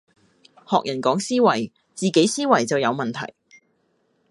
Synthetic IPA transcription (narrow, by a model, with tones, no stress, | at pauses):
hɔː˨k̚jɐ˨˩nkɔː˨˥ŋsiː˥wɐ˨˩j | t͡siː˨˩ke˨˥jsiː˥wɐ˨˩jt͡sɐ˨wjɐ˨˧wmɐ˨nt̪ʰɐ̰˨˩j